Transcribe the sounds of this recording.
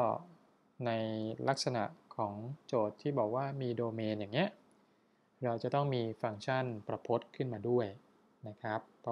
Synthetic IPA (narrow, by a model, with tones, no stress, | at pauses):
kɔː˥˩ | na˧jla˦˥k̚sa˧na̰˨˩ʔkʰɔː˩˦ŋt͡ɕoː˨˩t̪ʰːiː˥˩bɔː˨˩k̚waː˥˩miː˧doː˧meː˧njaː˨˩ŋːi˦˥ɐ | ɾa˧wt͡ɕa˨˩t̪ɔ˥˩ŋmiː˧fa˧ŋt͡ɕʰa˥˩npɾa˧pʰo˦˥t̪̚kʰɯ˥˩nmaː˧du˥˩əj | na˦˥kʰɾa˦˥pʰː